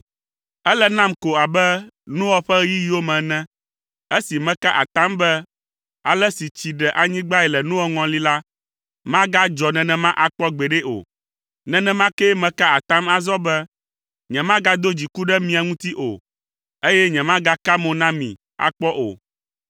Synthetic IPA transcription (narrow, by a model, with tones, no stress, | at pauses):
ɛ˦lɛ˦nã˦mko˨a˨bɛ˦nũ˦wɔ˦ɸɛ˦ɣji˦ji˦wo˦mɛ̃˨nɛ̃˦ | e˦si˨mɛ̃˦ka˦ʔa̰˨t̪ã˦mbɛ˦ | a˨lɛ˦si˨t͡ɕi˨ɖɛ˨ʔa˨ɲĩ˦ɡ͡ba˦ɛ˨lɛ˨nũ˦wɔ˦ŋɔ̃˨li˦la˦ | mã˦ɡa˦d͡ʒɔ˨nɛ̃˨nɛ̃˦mã˦ʔa˨k͡pɔ˦ɡ͡bɛ˨ɖɛ˦ʔo̰˨ | nɛ̃˨nɛ̃˦mã˦ke˦mɛ̃˨ka˦a˨t̪ã˦ma˨zɔ˦bɛ˦ | ɲɛ̃˨mã˦ɡa˦d̪o˦d͡ʑi˨ku˦ɖɛ˦mĩ˨a˨ŋũ˦t̪i˦ʔo̰˨ | e˦jɛ˦ɲɛ̃˨mã˦ɡa˦ka˦mõ˨nã˦mḭ̃˨ | a̰˨k͡pɔ˦ʔo̰˨